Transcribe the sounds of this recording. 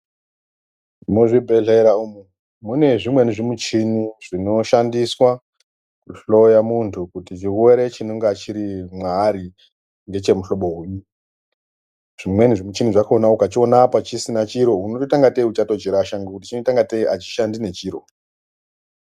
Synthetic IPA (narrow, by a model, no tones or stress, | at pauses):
muʐibʱe̞ɮeɾaumu | mune̞ʐimwe̞niʐimut͡ʃinuʐ̥ino̞ʃandiswa | kuɬo̞jamuntʰukutit͡ʃiwe̞ɾe̞t͡ʃinoŋɡat͡ʃiɾimwaɾi | ŋɡe̞t͡ʃe̞muɬo̞ɓo̞ɦuːɲu | ʐ̥imwe̞niʐimut͡ʃinuʐakaonaukat͡ʃio̞napat͡ʃisinat͡ʃiɾo̞unototaŋɡateut͡ʃatod͡ʒiɾaʃaŋɡakutit͡ʃinotaŋɡateiʔat͡ʃi̥ʃandine̞t͡ʃiːɾo̞̰